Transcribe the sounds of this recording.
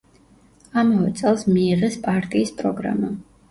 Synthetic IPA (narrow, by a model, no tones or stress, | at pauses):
amavɛt̪sʼɛlˠsmiːʁɛspʼaɾt̪ʼiːspʼɾɔɡɾa̰ma